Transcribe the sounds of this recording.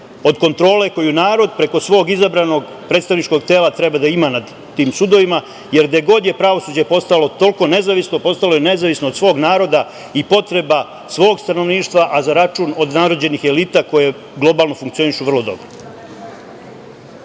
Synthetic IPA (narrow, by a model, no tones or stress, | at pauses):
o̞d̪ko̞nt̪ɾo̞ːle̞ko̞junaːɾo̞d̪pɾe̞ko̞sʋo̞ːɡizabɾano̞ɡ | pɾet̪st̪aʋnit͡ʃko̞ɡ̚t̪e̞ːlat̪ɾe̞bad̪aimanad̪ːiːmsud̪o̞ʋima | je̞ɾd̪aeɡo̞d̪je̞pɾaʋo̞suːd͡ʑe̞po̞st̪alo̞t̪o̞lko̞ne̞zaʋisno̞po̞st̪alo̞jene̞zaʋisno̞ːd̪sʋo̞ːɡnaːɾo̞d̪a | ipo̞t̪ɾe̞ba | sʋo̞ːɡst̪ano̞ʋniːʃt̪ʋaʔazaɾat͡ʃuːno̞d̪naɾod͡ʑe̞nixe̞liːt̪ako̞je̞ | ɡlˠo̞baːlˠno̞fuŋkt̪sio̞niʃuʋr̩lˠo̞d̪o̞̰bɾo